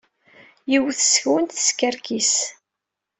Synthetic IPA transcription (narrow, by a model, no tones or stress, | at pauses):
jiwθəsçwənt̪θə̥skæɾkʰis